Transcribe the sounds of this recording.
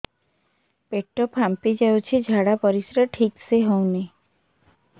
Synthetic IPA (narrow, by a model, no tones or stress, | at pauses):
peʈɔpampid͡ʒawt͡ʃʰed͡ʒʱaɽapɔɾisɾaʈʰikseɦɔwni